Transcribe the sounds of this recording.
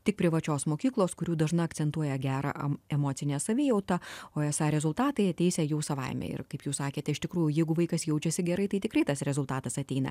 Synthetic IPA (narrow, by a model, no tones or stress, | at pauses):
t̪ʲɪk̚pʲɾʲɪʋɐt͡ʃʲoːsmoːkʲiːklˠoːskʊɾʲuːd̪ɐʒnɐɐktsʲɛnt̪uɔjɛɡʲæːɾɐ̰ʔɛmoːt̪sʲɪnʲɛːsɐʋʲɪːjɛʊt̪ɐoːɛsɑːɾʲɛzʊlˠt̪ɑːt̪ɐɪɐt̪ʲɛɪsʲɛjuːsɐʋɐ̰ɪmʲɛ̰ɪ̰rkɐɪpjuːssɑːkʲeːt̪ʲɛɪʃt̪ʲɪkɾuːjʊjɛɪɡʊʋɐɪkɐsjɛʊt͡ʃʲɛsʲɪɡʲɛɾɐɪt̪ɐɪt̪ʲɪkɾɐɪt̪ɐsɾʲɛzʊlˠt̪ɑːt̪ɐsɐt̪ʲɛɪnɐ̰